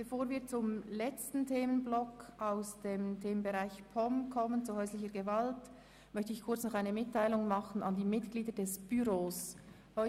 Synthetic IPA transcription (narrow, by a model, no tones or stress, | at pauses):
b̥efoːɾviːɐt͡sʊmlɛt͡stn̩tʰeːmənblɔkaʊsd̥eːmtʰeːmənbeʁaɪçpʰɔmkʰɔmənt͡suhœʏslɪçəɡəvalt | mœçtəɪçkʰʊɐt͡snɔχaɪnəmɪtʰːaɪlʊŋmɑχən̩andiːmɪtɡ̥liːdədɛsb̥yɾoːs | hɔ